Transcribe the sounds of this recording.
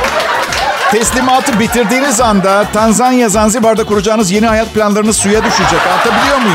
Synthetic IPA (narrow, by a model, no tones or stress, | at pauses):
t̪ʰɛslʲimaːt̪ʰɯbit̪ʰiɾd̪iːnizand̪at̪ʰanzanjazanzibaɾd̪akʰuɾud͡ʒaːɯnɯzje̞nihajat̪̚pʰlʲanlˠaɾɯnɯzsujad̪yʃyd͡ʒakalˠt̪ʰabilʲijo̞ɾmuj